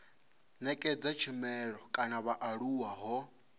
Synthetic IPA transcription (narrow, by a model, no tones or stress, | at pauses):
nɛkʼɛd͡zat͡ʃʰimɛɺɔkʼanaβaʔaɺuwaɦɔ